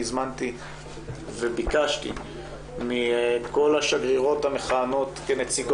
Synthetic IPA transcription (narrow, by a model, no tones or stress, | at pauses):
zmant̪i | vebikaʃt̪ḭ | miko̞laʃaɡʁiʁothameχaːno̞t̪kenet͡siɡ